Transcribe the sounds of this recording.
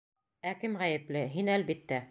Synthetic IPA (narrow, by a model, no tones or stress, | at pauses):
ækɘmʁæjɘ̆plɘɦinælβit̪ːæ